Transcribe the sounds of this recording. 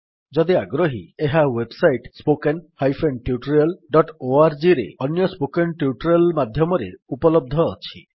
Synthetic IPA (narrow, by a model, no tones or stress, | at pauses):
d͡ʒɔd̪iaɡɾoɦieɦawebsajʈspokenhajfʰenʈjuʈɾiɔlɖɔʈoaɾd͡ʒiɾḛɔnjɔspokenʈjuʈɾjɔlmad̪ʱjɔmɔɾeupɔlɔb̚d̪ʱɔːt͡ʃʰḭ